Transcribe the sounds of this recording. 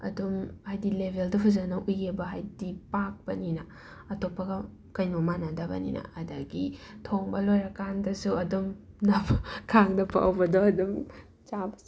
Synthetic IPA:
ɐ̰dumhajdilebʱeldɐpʰuzɐnɐʔujɡebɐɦajdipak̚pɐninɐ | ɐtopːɐɡɐ | kɐjnomanadɐbɐ̰nḭnɐ̰ɐdɐɡitʰoŋbɐlojɾɐkandɐsuɐdum | nɐpkʰaŋdɐpa̰wbɐdoɐdum | t͡ʃabɐ

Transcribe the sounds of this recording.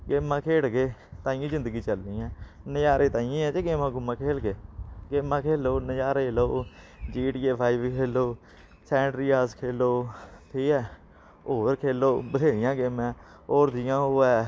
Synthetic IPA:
ɡeːmãːkʰeːɽɡeːt̪ãːĩːzɪ̃nd̪əɡiːt͡ʃəlnĩːɛ̃ːnəjaːɾʔeːt̪ãːĩːɛ̃ːt͡ʃeːɡeːmãːɡʊmːãːkʰeːlɡeːɡeːmãːkʰeːloːnəjaːɾeːloː | d͡ʒiːʈiːeːpʰaːiːbkʰeːloː | sɛːɳɖɾiːaːskʰeːloːt̪ʰiːɛː | oːɾkʰeːloːbəd̪eːɾɪjãːɡeːmɛ̃ː | oːɾd̪ɪjãːɦoːɛː

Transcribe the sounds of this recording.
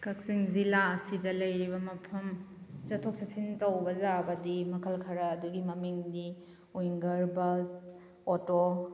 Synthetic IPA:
kʰɐk̚siŋzilaɐsidɐlɐjɾibɐmɐpʰɐm | t͡ʃɐtʰːok̚sɐsintɐwbɐzabɐdimɐkʰɐlkʰɐɾɐːduɡimɐmiŋdi | ujŋɡɐɾbɐs | oto

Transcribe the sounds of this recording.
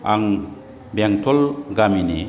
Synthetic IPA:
aŋ | baŋtʰɔlɡaminḭ

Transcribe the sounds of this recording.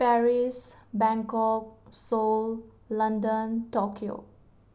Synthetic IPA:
pɛɹisbɛ̃ŋkɔk̚sol | lʌ̃ndə̃ntɔkʰio̰

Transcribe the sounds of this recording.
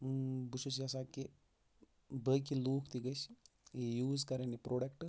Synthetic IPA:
but͡ʃʰusiɐsaːke | bəkiluːkʰt̪iɡɐt͡ʃ | ejuːzkɐɾenipɾoːɖɐkʈ

